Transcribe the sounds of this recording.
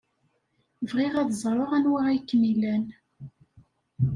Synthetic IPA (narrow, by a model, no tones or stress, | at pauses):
vʁiʁæðzˤɾˤoʁænwaʁæjkːmilæn